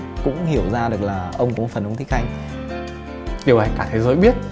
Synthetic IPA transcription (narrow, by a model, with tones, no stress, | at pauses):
kʊ̰˧˥ŋ͡mhi˧˩əwzaː˧ɗɨ˨˩ək̚laː˨˩ʔə˧wŋ͡mkʊ̰˧˥fə˨˩nʔə˧˦ŋ͡mt̪i˦˥k̚ʔa˧jŋ | ɗi˨˩wa˧˩jkaː˧˩t̪ʰe˨˦zəː˨˦jɓi˦˥ət̚